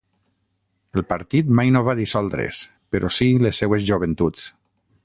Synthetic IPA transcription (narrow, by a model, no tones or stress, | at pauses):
əlˠpəɾt̪it̪majnoβaðisɔlˠd̪ɾḛs | peɾʔɔsilesːewezʒuβ̞ent̪ut͡s